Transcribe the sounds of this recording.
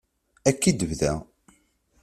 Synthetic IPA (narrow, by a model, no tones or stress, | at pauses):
ækːid̪əvðæ̰